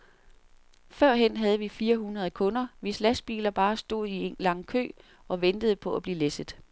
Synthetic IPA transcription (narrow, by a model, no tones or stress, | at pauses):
fɶɐ̰ɦen̰ɦæð̞ˠəʋifiːɐɦunʁɐð̞ˠkʰɔ̽nɐʋislæsb̥ḭːlɐb̥ɑ̈ːsd̥o̝ð̞̰ˠienlɑ̈ŋ̰kʰø̰ː | ɒ̽ʋend̥əð̞̩ˠəpʰɒ̽æb̥liːlesð̩ˠ